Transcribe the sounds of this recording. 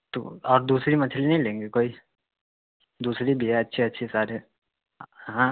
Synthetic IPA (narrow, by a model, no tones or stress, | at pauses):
t̪o̰ɔːɾd̪uːsɾimɐt̪ʰelinɐɦĩlẽːŋɡekoːi | d̪uːsɾibʱiɦɛɐtːʃʰeɐtːʃʰesaːɾe | ɦã